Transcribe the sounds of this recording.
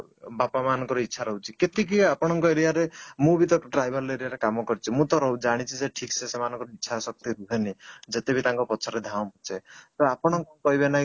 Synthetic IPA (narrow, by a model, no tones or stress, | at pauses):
bapamanɔ̃ŋkɔɾɔitːʃʰaɾɔɦut͡ʃʰiket̪ik̬iapɔɽ̃ɔŋkɔeɾijaɾemũbit̪ɔʈɾajbʱɔɾeɾijaɾekamɔkɔɾit͡ʃʰimũt̪ɔɾɔɦud͡ʒaɽ̃it͡ʃʰiseʈʰiksesemanɔ̃ŋkɔɾɔitːʃʰasɔk̚t̪iɾuɦenid͡ʒet̪ebʱit̪aŋkɔpɔt͡ʃʰɔɾed̪ʱãwpɔt͡ʃʰet̪ɔapɔɽ̃ɔŋkɔkɔɦibenaɦĩ